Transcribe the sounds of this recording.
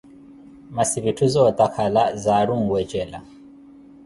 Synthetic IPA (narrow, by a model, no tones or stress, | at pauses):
masiβitʰuzɔt̪ʼakʰalazaɺuŋ̩wɛt͡ʃʼɛla̰